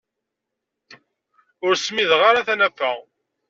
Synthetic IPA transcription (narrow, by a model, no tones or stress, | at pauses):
ʊɾsmiðʁaɾaθænæfːæ